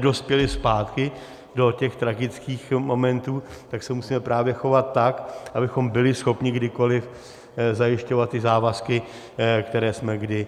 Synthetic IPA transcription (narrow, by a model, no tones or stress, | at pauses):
do̞spjɛlɪspaːt̪kɪ | do̞cɛxt̪ɾaɡɪt͡skiːxmo̞mɛnt̪uːt̪aksɛmusiːmɛpɾaːvjɛxo̞vat̪ːakʔabɪxo̞mbɪlɪsxo̞pɲɪɡdɪko̞lɪf | zajɪʃco̞vat̪̚ːɪzaːvaskɪ | kt̪ɛɾɛːsmɛɡdɪ